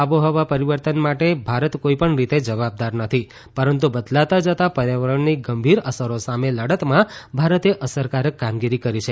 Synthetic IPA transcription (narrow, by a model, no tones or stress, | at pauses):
aʋoɦɔʋapəɾiʋəɾt̪ənmaʈebʱaɾət̪koipəɳɾit̪ed͡ʒəʋab̚d̪aɾnət̪ʰi | pəɾənt̪̬ubəd̪lat̪ad͡ʒət̪apəɾjaʋəɾəɳniɡəmbʱiɾəsəɾosameləɽət̪mãbʱaɾət̪eʔəsəɾkaɾəkːamɡiɾikəɾit͡ʃʰe